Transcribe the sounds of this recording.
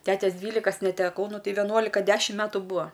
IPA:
ˈtʲæːtʲɛs ˈdʲʋʲiːlʲɪkɐs nʲɛtʲɛˈkɐʊ ˈnʊ ˈtʲɛɪ ʋʲɛˈnuɔlʲɪkɐ ˈdʲæːʃʲɪm ˈmʲæːtʊ ˈbuːɐ

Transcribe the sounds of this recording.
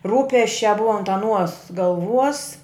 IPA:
ˈruːpʲɛsʲt͡ʃʲæː ˈbʊɐ ɐnt ɐˈnuɔs ɡɐlˠˈʋuɔs

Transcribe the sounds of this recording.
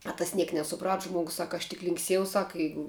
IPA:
ɐ tɐs ˈnʲiɛk nʲɛsʊˈprɐt ˈʒmuɔɡʊs ˈsɐk ɐʃ tʲɪk lʲɪŋkˈsʲiɛjɛʊ ˈsɐk ˈjɛɪɡʊ

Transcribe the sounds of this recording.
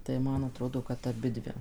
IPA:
tɐɪ ˈmɐn ɐˈtroːdoː kɐt ɐˈbʲɪdʲʋʲɪ

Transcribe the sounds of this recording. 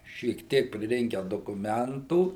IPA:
ʃʲiɛk ˈtʲiɛk pʲrʲɪˈrʲɪŋʲkʲɛ doːkʊˈmʲɛntuː

